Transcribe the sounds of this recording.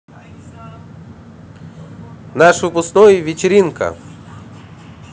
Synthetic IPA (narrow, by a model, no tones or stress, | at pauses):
naʂvɨpʊsknojvʲɪt͡ɕɪɾʲinkə̰